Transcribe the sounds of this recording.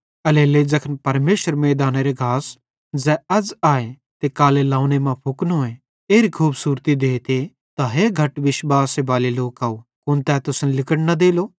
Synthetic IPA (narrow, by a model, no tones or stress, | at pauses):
ɐleːled͡ʒɐkʰənpɐɾmeːʃəɾmeːd̪aːneɾeɡʱaːs | d͡ʒɛɐd͡ʒaːe | t̪ekaːlelãːʊ̃ñemãpʰʊknɦoːẽ | eːɾikʰuːbsuːɾt̪id̪eːt̪e | t̪aɦeːɡʱɐʈʋɪʃʋaːsebaːleloːkaːokʊnt̪ɛt̪ʊsnlɪkəɽnɐd̪eːloː